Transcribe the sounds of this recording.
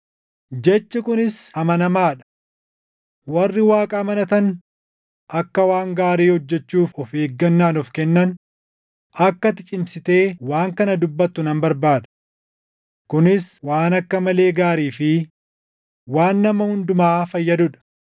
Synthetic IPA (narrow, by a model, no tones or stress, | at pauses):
d͡ʒɛt͡ʃːɐkʊnɪsɐmɐnɐmaːᶑɐ̥ | wɐrːɪwaːkʼɐːmɐnɐt̪ɐn | ɐkːɐwaːŋɡaːɾiːhɔd͡ʒːɛt͡ʃːuːfɔfeːɡːɐnːaːnɔfkɛnːɐn | ɐkːɐt̪ɪt͡ʃʼɪmsɪt̪e̞ːwaːŋkɐnɐd̪ʊbːɐt̪ːʊnɐmbɐɾbaːd̪ɐ̥ | kʊnɪswaːnɐkːɐmɐle̞ːɡaːɾiːfɪ | waːnːɐmɐhʊnd̪ʊmaːfɐjːɐd̪ʊᶑɐ̥